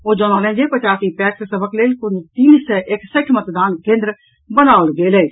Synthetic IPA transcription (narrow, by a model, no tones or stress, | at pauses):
oːd͡ʒɔːnaːlɛ̃ːd͡ʒepət͡ʃaːsipɛːkksəbəkleːlkʊnd͡ʒt̪iːnsɛʔeːksəkʰmət̪d̪aːnkẽːnd̪ɾə | bənaːlɡeːleː